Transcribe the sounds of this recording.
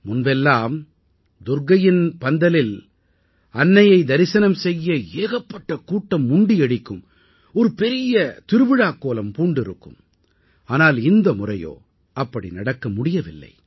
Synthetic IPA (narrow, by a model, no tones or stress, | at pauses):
mʊnbɛlːaːm | d̪ʊɾɡɐjɪnpɐnd̪ɐlɪl | ɐnːɐjɐɪd̪ɐɾɪsɐnɐmsɛjːɐeːɣɐpːɐʈːɐkuːʈːɐmːʊɳɖɪɛɽɪkːɯm | ɔɾɯpɛɾɪjɐt̪ɪɾɯʋɪɻaːkːoːlɐmpuːɳɖɪɾɯkːɯ̰m | aːnaːlɪnd̪ɐmʊrɐ̰jo̰ː | ɐpːɐɽḭnɐɽɐkːɐmʊɽɪjɐʋɪlːɐ̰ɪ